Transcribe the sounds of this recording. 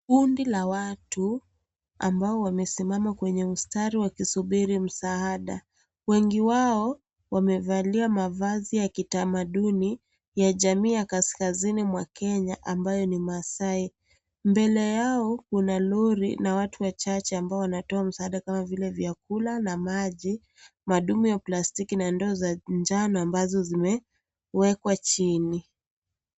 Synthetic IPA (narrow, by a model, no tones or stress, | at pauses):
kundilawatu | ambaɔwamɛsimamakwɛɲɛustaɾiwakisuɓiɾim̩saaɗa̰ | wɛŋɡiwaɔ | wamɛvaliamavazijakitamaɗuni | jaʄamiːjakaskazinimwakɛɲaʔambajɔnimasai | mbɛlɛjaɔkunalɔɾḭnawatʰuwat͡ʃat͡ʃɛambaɔwanatɔam̩saːɗakamavilɛvjakulanamaʄi | maɗumujaplastikinandɔːzaɲd͡ʒanaambazɔzimɛ | wɛkwat͡ʃini